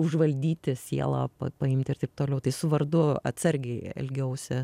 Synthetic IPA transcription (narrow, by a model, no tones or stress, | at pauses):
ʊʒʋɐlʲd̪ʲiːt̪ʲɪsʲiɛlˠa̰ːpɐ̰pɐɪmʲt̪ʲɪrt̪ɐɪp̚t̪oːlʲɛʊt̪ɐɪsʊʋɐrd̪ʊɐ̰t̪sɐɾʲɡʲɛɪɛ̰lʲɡʲɛʊsʲɛ